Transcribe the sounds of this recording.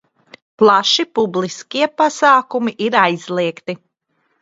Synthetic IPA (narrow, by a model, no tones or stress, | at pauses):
plˠaʃipublˠiskiɛpasaːkumiʔiɾajz̥lˠiɛkt̪i